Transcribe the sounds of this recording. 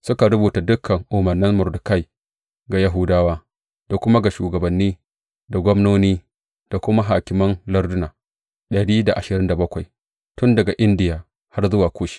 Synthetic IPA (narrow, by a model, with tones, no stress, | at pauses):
sʊ˦ka˨ɾʊ˦buː˨ta˨dʊ˦kʰːɐ˨ŋʔʊ˨mɐ˨nːɪ˦nmʊ˨ɾdʊ˨ka˦j | ɡa˨ja˦ɦʊ˦daː˦waː˦ | d̥a˨kʷʊ˦ma˦ɡa˨ʃuː˨ɡɐ˨bɐ˨nːiː˦ | da˨ɡʷɔ˦mnoː˦niː˦ | d̥a˨kʷʊ˦ma˦ɦaː˨kʲɪ˨mɐ˦nlɐ˦rdʊ˦naː˨ | ɗɐ˨ɽiː˦da˨ʔa˨ʃɪ˨ɾɪ˦nda˨bɐ˦kʷa˨j | tʊ˦ndɐ˨ɡa˨ʔɪ˦ndɪ˦jaː˨ | ha˦rzʊ˦waː˨kʷoː˦ʃi̥˦˨